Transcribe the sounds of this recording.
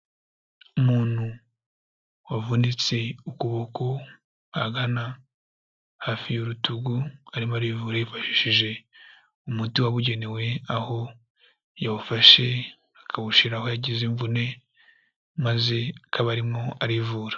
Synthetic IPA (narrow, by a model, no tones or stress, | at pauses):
umuːn̥hu | wavunit͡se̞ukuβoko | aɡana | hafijuɾutuɡuaɾimoaɾivuɾajifaʃi̥ʃiʒe̞ | umutiwaβuɟe̞ne̞we̞aho̞ | jaβufaʃe̞ | akʰaβuʃiɾaho̞jaɟiziɱvune̞ | maze̞akʰaβaɾimo̞aɾivuːɾḁ